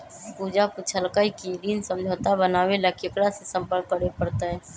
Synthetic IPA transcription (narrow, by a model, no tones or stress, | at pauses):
puːd͡ʒakut͡ʃʰəlkaikiɾiːnsə̃md͡ʒʱəːt̪abənaːwelakɪkɽasesə̃mpəɾkkːəɽepəɾt̪aɦɛː